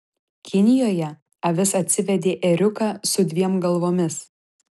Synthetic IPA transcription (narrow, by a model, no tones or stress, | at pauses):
kʲɪnʲɪjoːjɛ | ɐʋʲɪsɐt̪ʲsʲɪʋʲɛd̪ʲeːʔɛɾʲʊkɑːsʊd̪ʲʋʲiɛmɡɐlˠʋoːmʲɪs